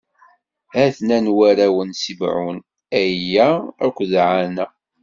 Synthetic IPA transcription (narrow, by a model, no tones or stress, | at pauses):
æθnænwæɾæwənsibʕṵn | æjæækʷːðʕanæ